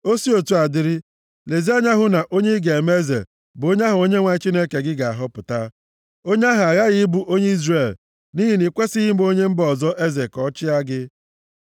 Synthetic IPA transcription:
o˦si˦o˨tu˦a˨dɪ˦ɾɪ˦ | le˨zi˦a˦ɲa˦ɦʊ˦na˨ʔo˦ɲe˦i˦ɡe˨me˦zḛ˨ | bʊ˨o˦ɲ˦a˦ɦʊ˨o˦ɲe˦ŋʷa˨˦t͡ʃi˦ne˦ke˨ɡɪ˦ɡa˨a̰˨ɦʊ˦pʊ˨ta˦ | o˦ɲe˦a˦ɦa˨a˨ɣa˦ɣɪ˦bu˦ʔo˦ɲe˦i˦zre˨l | ni˦ɦi˨ni˨kʷe˦si˦ɦɪ˦o˦ɲe˦m̩˦bɔ˨zɔ˦ʔe˦ze˨kɔ˦t͡ʃɪ˦a˦ɡɪ˦

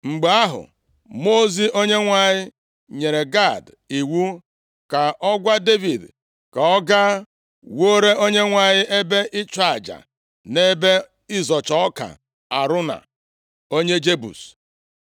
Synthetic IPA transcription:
ŋ͡m̩˨ɡ͡be˨a˦ɦʊ̰˨ | mo˦zi˦o˦ɲe˦ŋʷa˨ɲɪ˦ | ɲe˨ɾe˨ɡa˦˨d | i˨wu˦ | ka˨ʔɔ˦ɡʷa˦de˦vi˨d | ka˨ɔ˦ɡa˦ | wo˦ɾe˦o˦ɲe˦ŋʷa˨ɲɪ˦ʔe˦be˦ʔɪ˦t͡ʃa˨d͡ʒa̰˨ | ne˦be˦ | ɪ˦zɔ˨t͡ʃɔ˦ɔ˦ka̰˨ | a˨ɾʊ˦na̰˨ | o˦ɲe˦d͡ʒe˦bṵ˨s

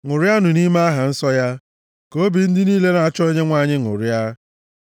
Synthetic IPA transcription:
ŋʷʊ˨ɾja˦nʊ˨ni˦ma˦a˦ɦa˨n̩˦sɔ˦ja˦ | ko˨˦o˦bi˨n̩˦dɪ˦niː˦le˦na˨a˨t͡ʃɔ˦e˦ɲe˦ŋʷa˦˨ɲɪ˦ŋʊ̰˨ɾja˦

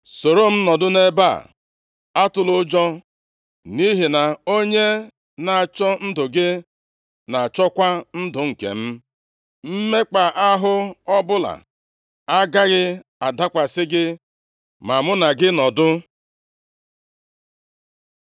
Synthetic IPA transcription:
so˨ɾo˦m̩˦nɔ˨dʊ˦ne˦ba̰˦˨ | a˦tʊ˨lʊ˦d͡ʒɔ˦ | ni˦ɦi˨na˨o˦ɲe˦ | na˨a˨t͡ʃɔ˦n̩˦dʊ˨ɡɪ˦ | na˨a˨t͡ʃɔ˦kʷa˦n̩˦dʊ˨ŋ̩˨kḛ˨m̩˦ | m̩˦me˦k͡pa˨ʔa˦ɦʊ˦ɔ˦bʊ˦la̰˨ | a˦ɡa˦ɣɪ˦a˨da˦kʷa˨sɪ˦ɡɪ˦ | ma˨mʊ˦na˨ɡɪ˦nɔ˨dʊ˦

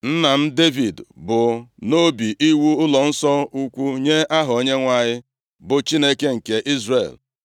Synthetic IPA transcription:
n̩˦na˨m̩˦de˦vi˨dbʊ˨no˦bi˨ʔi˦wu˦ʊ˦lɔ˨n̩˦sɔ˦u˦kʷu˦ɲe˦a˦ɦɔ˨o˨˦ɲe˦ŋʷa˨ɲɪ˦ | bʊ˨t͡ʃi˦ne˦ke˦ŋ̩˨ke˨ʔi˦zrḛ˨l

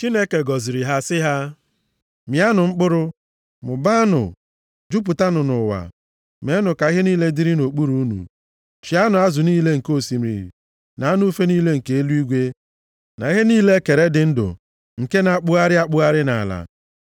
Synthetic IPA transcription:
t͡ʃi˦ne˦ke˨ɡɔ˨zi˨ɾi˨ɦa˦sɪ˦ɦa˦ | mi˨a˦nʊ˨ŋ͡m̩˦k͡pʊ˦ɾʊ˦ | mʊ˨ba˦nʊ̰˨ | d͡ʒu˦p̬u˨ta˦nʊ˨nʊ˨wa̰˨ | me˨˦nʊ˨ka˨i˦ɦe˦niː˦le˦di˦ɾi˦no˨k͡pu˦ɾu˦u˦nṵ˨ | t͡ʃi˨a˦nʊ˨a˦zʊ˨niː˦le˦ŋ̩˨ko˦˨si˨m̩˨ɾḭ˨ | na˨a˦nʊ˦u˦fe˦niː˦le˦ŋ̩˨ke˨˦e˦lu˦i˦ɡʷe˦ | na̰˨i˦ɦe˦niː˦le˦ke˨ɾe˦dɪ˨˦n̩˦dʊ̰˨ | ŋ̩˨ke˦na˨˦k͡pʊ˦a˦ɾɪ˦a˦k͡pʊ˦a˦ɾɪ˦na̰˨a˨la̰˨

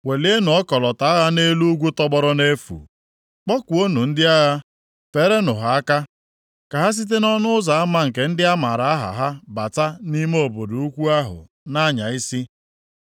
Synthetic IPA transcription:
we˨le˦e˦nʊ˨ɔ˦kɔ˨lɔ˨ta˨a˦ɣa˦ne˦lu˦ɡʷu˦tɔ˦ɡ͡bɔ˦ɾɔ˦ne˦fṵ˨ | k͡pɔ˦kʷu˨o˦nu˨n̩˦dɪ˦a˦ɣa˦ | fe˨ɾe˦nʊ˨ɦa˨a˦ka˦ | ka˨ɦa˦s̬i˦t̬e˦nɔ˦nʊ˦ʊ˦za˨a˦ma˦ŋ̩˨k̬e˨˦n̩˦dɪ˦a˦ma˨ɾa˨a˦ɦa̰˨ɦa˦ba˨ta˦ni˦me˦o˨bo˨do˨u˦kʷu˦a˦ɦʊ̰˨ | na˦ɲa̰˨i˦si˦

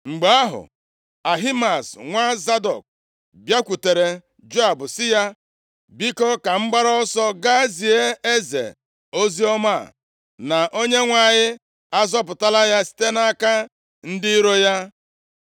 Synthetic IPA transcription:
ŋ͡m̩˨ɡ͡ba˨a˦ɦʊ̰˨ | a˨ɦi˦ma˨sŋʷa˦za˦dɔ̰˨k̚ | bja˦kʷu˨te˨ɾe˨ | d͡ʒo˦a˨bʊ˨sɪ˦ja˦ | bi˦kɔ˦ka˨ŋ͡m̩˦ɡ͡ba˦ɾɔ˦sɔ˦ɡa˦zi˨e˦e˦zḛ˨ | o˦zi˦ɔ˦ma̰˦˨ | na˨ʔo˦ɲe˦ŋʷa˨ɲɪ˦ | a˦zɔ˦p̬ʊ˨ta˦la˦ja˦si̥˦te˦na˦ka˦ | n̩˦dɪ˦i˦ɾo˦ja˦

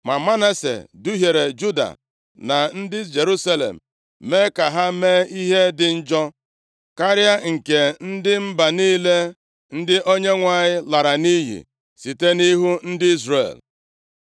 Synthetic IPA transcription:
ma˨ma˦na˦sḛ˨du˦ɦje˨ɾe˨d͡ʒu˦da̰˨ | na˨n̩˦dɪ˦d͡ʒe˨ɾu˦sa˦lḛ˨m̩˨ | me˦ka˨ɦa˦meː˦i˦ɦe˦dɪ˨n̩˦d͡ʒɔ˦ | ka˦ɾja˦ŋ̩˨ke˨n̩˦dɪ˦m̩˦ba˨niː˦le˦ | n̩˦dɪ˦ʔo˦ɲe˦ŋʷa˨ɲɪ˦la˨ɾa˨ni˦ɦḭ˨ | si˨te˦ni˦ɦu˦n̩˦dɪ˦i˦zɾḛ˨l

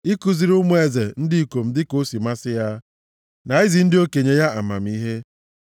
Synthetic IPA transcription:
i˦ku˨zi˨ɾʊ˦m˦e˨ze˨n̩˦dɪ˦i˨ko˨m̩˦dɪ˦ko˦si˨ma˦sɪ˦ja˦ | na˨i˦zi˨n̩˦dɪ˦o˦ke˨ɲe˦ja˦a̰˨ma̰˨m̩˨i˦ɦe˦

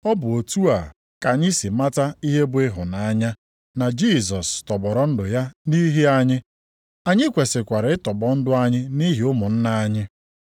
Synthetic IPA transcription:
ɔ˦bʊ˨o˨tu˦a˨ | ka˨ɲɪ˦si˨ma˦ta˦i˦ɦe˦bʊ˦ɪ˦ɦʊ˨na˨a˦ɲa˦ | na˨d͡ʒi˦˨sɔ˨stɔ˨bɔ˨ɾɔ˨˦n̩˦dʊ˨ja˦ni˦ɦi˦a˦ɲɪ˦ | a˨ɲɪ˦kʷe˨sɪ˨kʷa˨ɾɪ˨˦ɪ˦tɔ˨bɔ˦n̩˦dʊ˦a˦ɲɪ˦ni˦ɦi˨ʊ˦mʊ˨n̩˦na˦a˦ɲɪ˦

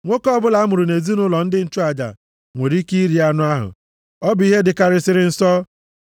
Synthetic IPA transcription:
ŋʷo˦kɔ˦bʊ˦la˨˦a˦mʊ˨ɾu˨ne˨zi˦nʊ˦lɔ˨n̩˦dɪ˦n̩˦˨tu˦a˨d͡ʒa̰˨ | ŋʷe˨ɾi˦ki˦ɾi˨a˦nʊ˦a˦ɦʊ̰˨ | ɔ˦bʊ˨i˦ɦe˦dɪ˨ka˨ɾɪ˦sɪ˦ɾɪ˦n̩˦sɔ˦

